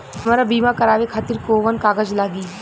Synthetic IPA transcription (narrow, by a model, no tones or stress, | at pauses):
ɦɐmaːɾabiːmakɐɾaːʋekʰaːt̪ɪɾkoʋənkaːɡəd͡ʒlaːɡiː